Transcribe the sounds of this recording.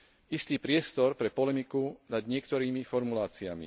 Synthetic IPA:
ist̪iːpɾɪɛst̪ɔɾpɾɛpɔlɛmikunad̪ɲɪɛkt̪ɔɾiːmifɔɾmulaːt͡siamḭ

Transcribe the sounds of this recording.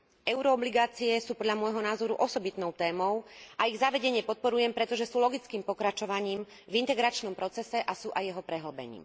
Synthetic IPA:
ɛʊɾɔːbliɡaːt͡siɛsuːpɔd̪ʎamɔjɦɔnaːzɔɾuʔɔsɔbit̪nɔʊt̪ɛːmɔʊʔaiɣzaʋɛɟɛɲɪɛpɔt̪̚pɔɾujɛmpɾɛt̪ɔʒɛsuːlɔɡit͡skiːmpɔkɾat͡ʃɔʋaɲiːm | vint̪ɛɡɾat͡ʃnɔmpɾɔt͡sɛsɛʔasuːʔajɛɦɔpɾɛɦl̩bɛ̰ɲḭːm

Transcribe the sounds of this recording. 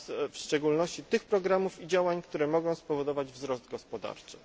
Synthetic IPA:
fʂt͡ʂɛɡulnɔɕt͡ɕit̪ɘxpɾɔɡɾamufid͡ʑawaɲkt̪uɾɛmɔɡɔ̃w̃spɔvɔd̪ɔvad͡ʑvzɾɔsd̪ɡɔspɔd̪a̰ɾt͡ʂɘ

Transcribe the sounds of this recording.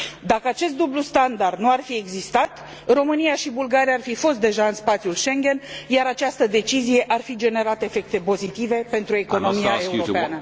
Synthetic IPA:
d̪akəat͡ʃe̞s̬t̪d̪ublust̪and̪ard̪nuarfie̞ɡzist̪at̪ | ro̞mɨnijaʃibulɡaɾiaːrfifo̞st̪̚d̪e̞ʒaɨnspat̪sijulʃe̞ŋɡʲe̞njaɾat͡ʃast̪əd̪e̞t͡ʃizije̞ʔarfid͡ʒe̞ne̞ɾat̪efe̞k̚t̪e̞po̞zit̪ive̞pe̞nt̪ɾue̞ko̞no̞miae̞uɾo̞peaanə

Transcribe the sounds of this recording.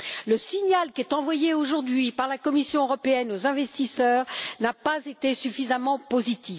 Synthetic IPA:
ləsiɲalkʲɛt̪ɑ̃vwajeoʒuʁd̪ɥipaʁlakɔmisjɔ̃øʁɔpeɛnozɛ̃vɛst̪isœːʁnapazet̪esyfizamɑ̃pozit̪i

